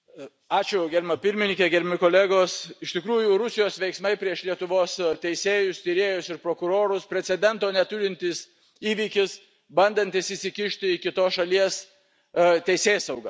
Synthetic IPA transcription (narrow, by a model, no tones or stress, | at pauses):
ɑːt͡ʃʲʊɡʲɛɾʲɪmɐpʲɪɾʲmʲɪnʲɪŋkʲɛɡʲɛɾʲɪmʲɪkoːlʲæɡoːsɪʃʲt̪ʲɪkɾuːjʊɾʊsʲɪjoːsʋʲɛɪksmɐɪpʲɾʲiɛʃlʲiɛt̪ʊʋoːst̪ʲɛɪsʲeːjʊst̪ʲɪɾʲeːjʊsɪɾpɾoːkʊɾoːɾʊspʲɾʲɛsʲɛd̪ʲɛnt̪oːnʲɛt̪ʊɾʲɪnʲt̪ʲɪs | iːʋʲiːkʲɪs | bɐnd̪ɐnʲt̪ʲɪsɪsʲɪkʲɪʃʲt̪ʲɪɪkʲɪt̪oːsʃɐlʲiɛs | t̪ʲɛɪsʲeːsɐʊɡɐ